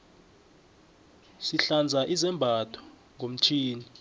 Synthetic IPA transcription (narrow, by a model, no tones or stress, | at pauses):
siɬand͡zʱaʔizɛmbʱatʰɔ̥ | ŋɡʱom̩t͡ʃʰiːni